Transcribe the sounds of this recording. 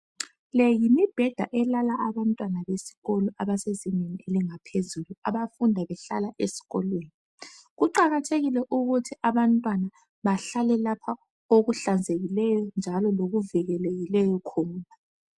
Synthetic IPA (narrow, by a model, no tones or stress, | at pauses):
lɛjimib̥ʱɛd̥ʱa̰ʔɛlalaʔaβantʼwanaβesi̥ɣɔlɔʔaβasezinenieliŋapʰezulua̰βafundʱaβɛɬa̰laʔesi̥ɣɔ̰lweːni | ɣuǃaɣatʰeɣilɛʔuɣutʰiaβantʼwana | βaɬalɛlapʰa | oɣuɬand͡zʱeɣilɛjɔnd͡ʒʱalɔloɣuviɣɛleɣilɛjɔkʰɔːna